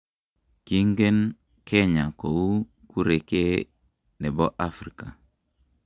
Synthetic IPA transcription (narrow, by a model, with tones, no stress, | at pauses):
ki˦ŋɡe˦n | kʰe˦ɲa˨ko˨wu˦ | ku˦ɾe˨ke˦ | ne˨bo˦ʔa˦fɾi˨ka˨